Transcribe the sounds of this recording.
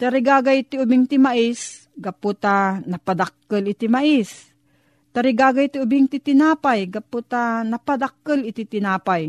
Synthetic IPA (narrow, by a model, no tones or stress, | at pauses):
t̪ɐɾɪɡaːɡajt̪ɪʊbɪŋt̪ɪmaʔɪs | ɡɐpot̪anɐpad̪ak̚ːəlɪt̪ɪmaʔɪs | t̪ɐɾɪɡaːɡajt̪ɪʊbɪŋt̪ɪt̪ɪnaːpajɡɐpot̪anɐpad̪ak̚ːəlɪt̪it̪ɪnaːpaj